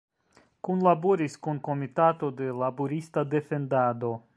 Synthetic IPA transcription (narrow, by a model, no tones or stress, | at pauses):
kunlaboɾiskunko̞mitato̞de̞laboɾistade̞fe̞ndado̞